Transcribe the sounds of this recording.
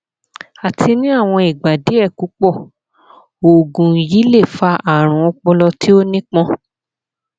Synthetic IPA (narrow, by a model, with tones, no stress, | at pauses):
a˨tʰi˧nĩ˦a˦˨w̃ɔ̃˧i˨ɡ͡ba˨di˨˦ɛ˦˨ku˨˦k͡pɔ˦˨ | o˨ɡũ˨ji˨˦le˦˨fa˧˦a˦˨ɾ̃ũ˨˧˦ɔ˧k͡pɔ˧lɔ˧tʰi˦o˦nĩ˦k͡pɔ̃˦